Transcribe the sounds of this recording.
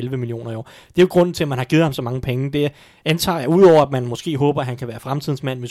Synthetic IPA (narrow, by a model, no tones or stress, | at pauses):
elʋəmilio̝̰ːnɐiɒ̰ː | d̥e̝joɡ̥ʁɔ̽n̰n̩t͡sʰe̝æmænhɑ̈ɡ̥iːð̩ˠhɑ̈msɒ̽mɑ̈ŋəpʰeŋəd̥e̝ | ænt͡sʰɑ̰̈ːjɑ̈uð̰ˠɒʊ̰ɐædmænmɒ̽sɡ̥e̝̰ːɦɔ̽ːb̥ɐæhænkʰæʋæːɐfʁamt͡sʰiðˠn̩smæn̰ʋe̝s